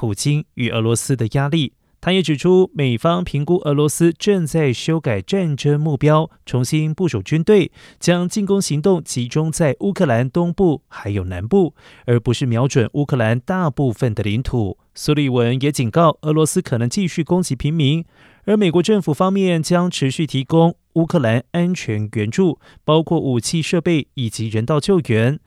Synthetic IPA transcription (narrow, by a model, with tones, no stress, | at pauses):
pʰu˨˩t͡ɕi˥ny˨˩ʔə̰˧˥lwɔ˧˥sɹ̩˥d̪ə˨ja˥li˥˩ | t̪ʰa˥jɛ˧˥ʈ͡ʂɻ̩˨˩ʈ͡ʂʰu˥me˨˩ɪfɑ˥ŋpʰi˧˥ŋku˥ʔə˧˥lwɔ˧˥sɹ̩˥ʈ͡ʂɤ˥˧ŋt͡sa˥˩ɪɕjo˥ʊka˨˩ɪʈ͡ʂa˥˩nʈ͡ʂə˥ŋmu˥˩pjɑ˥ʊʈ͡ʂʰʊ˧˥ŋɕi˥npu˥˩ʂu˨˩t͡ɕy˥nt̪we˥˩ɪt͡ɕjɑ˥ŋt͡ɕi˥˩nkʊ˥ŋɕi˧˥ŋt̪ʊ˥˩ŋt͡ɕʰi˧˥ʈ͡ʂʊ˥ŋt͡sa˥˩ɪʔu˥kʰɤ˥˩la˧˥nt̪ʊ˥ŋpu˥˩xa˧˥ɪjo˨˩ʊna̰˧˥npu˥˩ | ə˞˧˥pu˧˥ʂɻ̩˥˩mjɑ˧˥ʊʈ͡ʂwə˨˩nʔu˥kʰɤ˥˩la˧˥nt̪a˥˧pu˥˩fə˥˩nd̪ə˩li˧˥nt̪ʰu˨˩˦ | su˥˧li˥˩wə˧˦˥njɛ˧˥t͡ɕi˨˩nkɑ˥˩ʊɤ˧˥lwɔ˧˥sɹ̩˥kʰɤ˨˩nɤ˧˥ŋt͡ɕi˥˧ɕy˥˩kʊ˥ŋt͡ɕi˧˥pʰi˧˥ŋmi˧˥ŋ | ə˞˧˥me˨˩ɪkwɔ˧˥ʈ͡ʂə˥˩fu˨˩fɑ˥ŋmjɛ˥˩nt͡ɕjɑ˥ŋʈ͡ʂʰɻ̩˧˥ɕy˥˩t̪ʰi˧˥kʊ˥ŋ | u˥kʰɤ˥˩la˧˥na˥nt͡ɕʰɥɛ˧˥nɥɛ˧˥nʈ͡ʂu˥˩ | pɑ˥ʊkʰwɔ˥˩ʔu˨˩t͡ɕʰi˥˧ʂɤ˥˧pe˥˩ɪi˨˩t͡ɕi˧˥ɻə˧˥nt̪ɑ˥˧ʊt͡ɕjo˥˩ʊɥɛ˧˥n